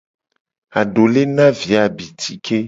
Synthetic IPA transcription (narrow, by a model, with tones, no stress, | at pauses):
a˨ɖo˨le˦nã˦vi˨a˨bi˨t̪ʰi˨kʰe˦